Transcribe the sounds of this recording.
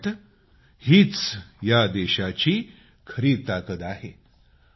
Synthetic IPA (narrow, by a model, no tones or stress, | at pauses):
t̪ | hiːt͡sjad̪eɕat͡ɕiː | kʰəɾiːt̪akət̪aɦe